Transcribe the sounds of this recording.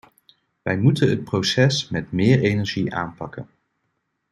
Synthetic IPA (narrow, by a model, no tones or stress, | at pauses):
ʋɛjmutənɦət̚prowsɛsmɛtmɪːɹejnɛɹʒiʔa̰ːmpɑkən